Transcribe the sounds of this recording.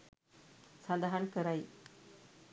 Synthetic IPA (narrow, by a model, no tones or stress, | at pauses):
sand̪aɦankəɾaj